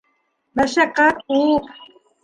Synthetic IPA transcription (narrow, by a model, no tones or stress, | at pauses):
maʃɑqɑu